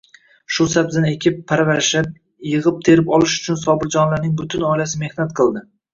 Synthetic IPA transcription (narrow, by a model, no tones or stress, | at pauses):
ʃʊsabzane̞kʲʰɪpʰːaɾvaɾʃap̚ | jɨʁɨp̚t̪ʰe̞ɾɪpɒlɪʃʊ̥t͡ʃʰʊnsɒbɪɾd͡ʒɒnlaɾnɪŋbʊt̪ʰɪnɒjlasɪme̞hnat̪̚qʰɨlˠd̪ɪ